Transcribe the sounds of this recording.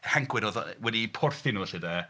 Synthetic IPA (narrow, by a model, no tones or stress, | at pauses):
haŋkʰwɪnɔðwɛdipʰɔrθɪnuɬɪdə